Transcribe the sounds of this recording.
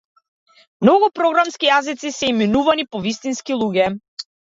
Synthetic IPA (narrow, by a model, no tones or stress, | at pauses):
mnɔɡupɾɔɡɾamskijazit̪sisɛiminuvanipɔvist̪inskilˠuɡʲɛ